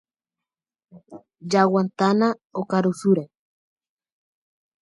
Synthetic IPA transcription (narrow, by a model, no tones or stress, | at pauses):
d͡ʒawant̪anaokaɾusuɾe